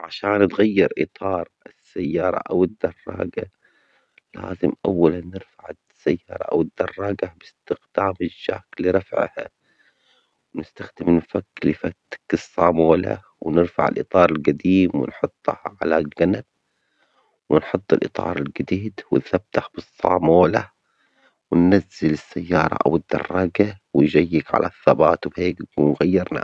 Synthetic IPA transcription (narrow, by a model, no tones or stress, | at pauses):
ʕaʃaːnːɪt̪ɣajːɪɾʔɨt̪ˤɑːɾˤɪsːajːɑːɾˤɑ̰ʔawɪd̪ːɑrˤːɑ̰ːɡa | la̰ːzɪmʔawːalanːɪɾfaʕɪ | sajːɑːɾˤɑ̰ʔa̰wɪd̪ːɑrˤːɑːɡabɪst̪ɪxd̪̥aːmɪʒːaːkliɾˤɑfʕha̰ | wnɪst̪axd̪ɪmnfakːlifat̪ḁkːɨsˤːɑːmoːla̰ | wnɪɾfa̰ʕɪ̰lʔɨt̪ˤɑːɾˤɪlɡad̪iːmwɪ̰nħʊt̪ˤːhʕalaɡanab̥̚ | wɪnħʊt̪ˤːɪlʔɨt̪ˤʰɑ̰ːɾˤɪlɡad̪iːd̪wɪnθab̥̚t̪aħb̥ɨsˤːɑ̰ːmoːla | wɪnːazːɪlɪsːajːɑːɾˤɑ̰ʔa̰wɪd̪̥ːɑ̰rˤːɑɡawɪnʒajːɪɡʕa̰lʔa̰θːabɑːt̪wbheːkunɣajːɪɾˤna̰